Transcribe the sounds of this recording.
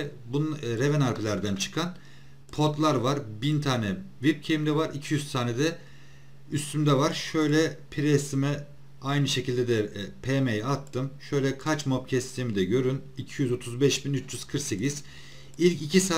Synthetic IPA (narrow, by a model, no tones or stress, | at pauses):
bunɾevɛnaɾpʰilʲæɾd̪ænt͡ʃʰɯ̥kʰan | pʰo̞t̪lˠaɾvaɾbint̪ʰaːnɛvip̚cʰeimd̪ɛvaɾicʰijyzt̪ʰaːnɛd̪ɛ | yst̪ʰymd̪ɛvaɾ̥ʃø̞jlʲɛpʰiɾɛst̪imɛ | ajnɯʃe̞cʰilʲd̪ɛd̪ɛpʰemejat̪ʰːɯmʃø̞jlʲɛkʰat͡ʃmopcʰɛst̪ʰiːmid̪ɛɟø̞ɾynicʰijyzo̞t̪ʰuzbɛʃbinyt͡ʃd͡ʒyz̥kʰɯɾkse̞ciz̥ | ilʲcicʰisaː